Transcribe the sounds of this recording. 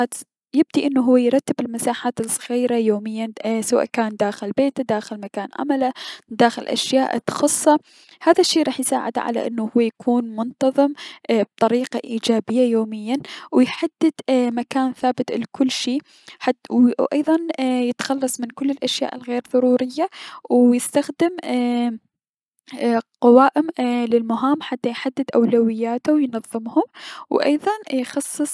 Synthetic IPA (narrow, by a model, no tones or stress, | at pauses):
t̪ | jɪb̚d̪iʔɪnːuɦʊwːajɾˤɑt̪ːɪbɪlmasaːħaːt̪lsˤɣiːɾajoːmɪjːansawa̰ːʔkaːnd̪aːxɪlbeːt̪d̪aːxɪlmakaːnʕa̰malad̪aːxɪlʔa̰ʃjaːʔt̪xɑsˤːɑ | haːðaʃːiːɾˤɑːħjsa̰ːʕɪ̰d̪ʕa̰la̰ʔɪnːuhʊwːajakʰuːnmʊnt̪ɑðˤɨmb̚t̪ˤɑɾiːqaʔiːd͡ʒaːbɪjːajoːmɪjːanwɪjħad̪ːɪd̪̥makaːnθaːbɪt̪lkʰʊlːʃiː | ħaʔɑjðˤɑnjɪt̪xɑlːɑsˤmɪnkʊlːɪlʔaʃja̰ːʔɪlɣeːɾðˤɑɾuːɾɪjːawjɪst̪axd̪ɪm | qɑwaːʔɪmlɪlmʊɦaːmħat̪ːajħad̪ːɪd̪ʔawlawɪjːaːt̪uwjnɑðˤːɨmhʊmwʔɑ̰jðˤɑnjxɑsˤːɨsˤ